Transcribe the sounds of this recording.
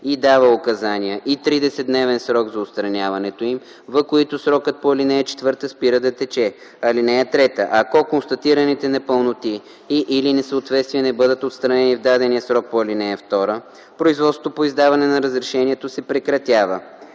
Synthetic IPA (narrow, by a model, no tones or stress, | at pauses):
id̪avəʊkɐzanijəʔit̪ɾid̪ɛsɛd̪nɛvɛnsɾɔɡzɐot̪st̪ɾɐnʲavɐnɛt̪oim | vɐkoit̪osɾɔkət̪̚poɐlinɛːt͡ʃɛ̥t̪vɤɾt̪əspiɾəd̪ɐt̪ɛt͡ʃɛ | ɐlinɛɛt̪ɾɛt̪əʔɐkɔkonst̪ɐt̪iɾənit̪ɛnɛpəlˠnot̪iː | ʔilinɛsəːt̪vɛt̪st̪vijɛnɛbɤd̪ət̪ot̪st̪ɾɐnɛnivd̪ad̪ɛnijəsɾɔk̚poɛlinɛɛft̪ɔɾə | pɾoizvɔt̪sot̪opoizd̪avɐnɛnɐɾəzɾɛʃɛniɛt̪osɛpɾɛkɾɐt̪ʲjavə